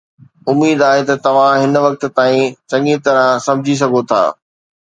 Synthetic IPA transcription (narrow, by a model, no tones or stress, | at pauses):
ʊmiːd̪aːɦet̪ɐt̪ɐʋ̤ãɦɪnʋɐk̚t̪t̪aːĩt͡ɕɐŋit̪ɐɾãsɐ̃mɪd͡ʑʱis̬ɐɡʱot̪ʰa̰ː